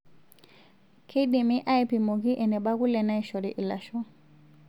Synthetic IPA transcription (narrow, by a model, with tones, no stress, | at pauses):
kʰe˦ɗi˨mi˦ʔa˦jpi˨mɔ˨ɣi˦ʔɛ˨nɛ˨ɓa˦ɣu˦lɛ˨na˦i˦ʃɔ˨ɾi˨ʔi˨la˨ʃɔ˦